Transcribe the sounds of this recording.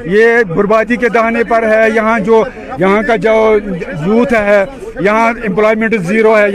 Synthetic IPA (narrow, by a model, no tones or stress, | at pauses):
jeːbʊɾbaːd̪iked̪aaːnepɐɾɦɛːjɐɦãd͡ʒoː | jɐɦãkad͡ʒoːzuːt̪ʰɦɛɦɛ | jɐɦãɪ̃mploːimə̃ɳʈziːɾoɦɛːj